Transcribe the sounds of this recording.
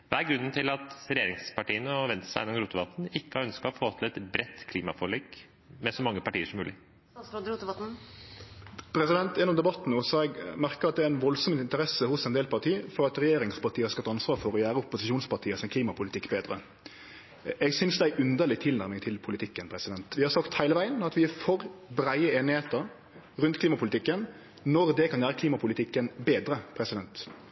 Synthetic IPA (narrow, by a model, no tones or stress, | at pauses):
ʋæɾɡɾʉnːn̩t̪ʰɪlɑt̪ɾɛjeːɾɪŋspʰɑʈiːənəɔʋɛnt̪sæ̰jɛ̰nːɔmɾuːt̪əʋɑt̪n̩ɪkːəhɑɾœnskəfoːt̪ʰɪlɛt̪bɾɛt̪ːkʰliːmɑ̰fɔɭeːɡ | mɛsɔmɑŋːəpɑʈiːəʂɔmːʉːlɪ | ɾuːt̪əʋɑt̪n̩ | pʰɾɛsɪd̪ɛnt̪jɛnːɔmd̪ɛbɑt̪ːn̩əʊsɔɛɡmæɾkəʁɑt̪d̪ɛæɾɛnʋɔlsɔmɪnt̪əɾɛsəhʊsɛnd̪eːlpʰɑʈʰiːfɔɾɑt̪ɾɛjeːɾɪŋspʰɑʈ̪ʰiːəhɑskɑt̪ɑɑnsʋɑːɾfɔɾɔjæːɾəʊpʊsɪʃuːnspɑʁʈʰiːəsɛnkʰliːmɑpʰʊlɪt̪ɪkːbeːd̪ɾə | ɛɡsʏnsd̪ɛæɪʔʉnd̪əɾlɪɡt̪ʰɪlnæɾmɪŋt̪ʰɪlpʰʊlɪt̪ʰɪkːənpʰɾɛsɪd̪ɛnt̪ʋɪhɑɾsɑkt̪hæɪləʋæɪənɑt̪ʋɪæɾfɔɾbɾæɪəeːnɪheːt̪əɾ | ɾʉnt̪kliːmɑpʰʊlɪt̪ɪkːən | nɔɾd̪ɛkʰɑnjæːɾəkʰliːmɑpʰʊlɪt̪ʰɪkːənbeːd̪ɾəpʰɾɛsɪd̪ɛnt̪